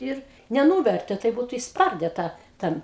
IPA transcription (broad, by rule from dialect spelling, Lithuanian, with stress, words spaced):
ˈɪr nʲɛˈnuːʋʲɛrʲtʲeː ˈtɐɪp ˈbuːtʊ ɪʃsˈpɐrʲdʲɛ ˈtɑː ˈtʲɛn